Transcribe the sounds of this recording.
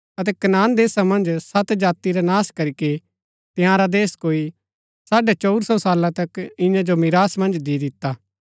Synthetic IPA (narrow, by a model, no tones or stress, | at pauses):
ɐt̪̬ɛkɐnaːnd̪eːsãmɐ̃nd͡ʒsɐt̪d͡ʒaːt̪iɾanaːskɐɾike | t̪ɪ̃ɦãːɾad̪eːskoːi | saːɖet͡ʃɔʊɾsɔsaːlãt̪ɐkɪ̃jãd͡ʒomɪɾaːsmɐ̃nd͡ʒd̪id̪ɪt̪ːaː